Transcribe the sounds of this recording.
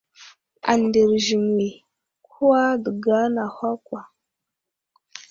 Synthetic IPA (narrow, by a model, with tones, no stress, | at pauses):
a̰˨nde˨ɾʒi˨ŋ˨i˨ | kʰu˦wa˦də˨ɡa˦na˨hʷa˦kʷwa˨